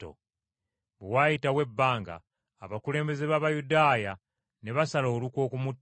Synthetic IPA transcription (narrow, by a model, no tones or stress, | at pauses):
o̰ | βewajitawe̞bːaːŋɡa̰ː | βakule̞ːmbe̞ze̞βaβajudaːja | ne̞βasalo̞ːlukwo̞ːkumutː